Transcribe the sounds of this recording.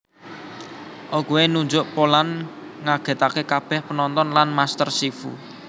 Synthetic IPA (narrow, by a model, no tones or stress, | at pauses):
ʔokuenuɲd͡ʒʊʔpolan | ŋaɡ̥ɛ̤t̪akekab̥ɛ̤hpənɔnt̪ɔnlanmast̪ərsifṵ